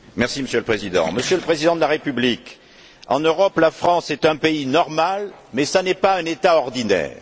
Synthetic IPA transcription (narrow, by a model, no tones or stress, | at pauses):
mɛʁsiməsjøləpχezid̪ɑ̰̃məsjøləpχezid̪ɑ̃d̪əlaʁepyblik | ɑ̰̃nøʁɔplafχɑ̃sɛt̪ɛ̃peinɔʁmalmɛsanɛpaɛ̃net̪aɔʁd̪inɛ̰ːʁ